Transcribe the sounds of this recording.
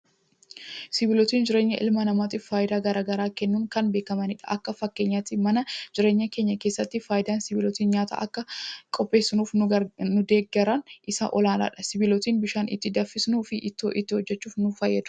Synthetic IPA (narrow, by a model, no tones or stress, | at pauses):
sɪbɪlɔt̪iːnd͡ʒɪɾe̞ːɲːɐʔɪ̰lmɐnɐmaːt̪ɪfːaːjɪd̪aːɡɐɾaːɡɐɾaːkɛnːuːŋkɐnbe̞ːkɐmɐnɪᶑɐʔɐkːɐfɐkːe̞ːɲːaːt̪ɪmɐnɐd͡ʒɪɾe̞ːɲːɐke̞ːɲːɐke̞ːsːɐt̪ːɪfaːjɪd̪aːnsɪbɪlɔt̪iːnɲaːt̪a̰ːʔɐkːɐkʼɔpʼːe̞ːsːɪnuːfːʊd̪e̞ːɡɛɾɐnʔɪsa̰ʔɔlaːla̰ːᶑɐsɪbɪlɔt̪iːnbɪʃaːnɪ̰t̪ːɪd̪ɐfːɪsnuːfɪʔɪt̪ːo̰ːʔɪt̪ːɪhɔd͡ʒːɛt͡ʃːuːfnʊfɐjːɐd̪ʊ̥